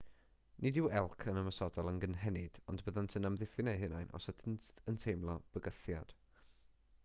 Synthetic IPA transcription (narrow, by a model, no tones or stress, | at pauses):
nʔɪdɪwɛlˠkʰənəməsɔdɔlˠənɡənɦɛnɪd̥ɔ̰ndbəðantʰənamðɪfɪnejɦɪnajnʔɔ̰sətʰnəntʰejmlˠɔb̥əɡəθjad̥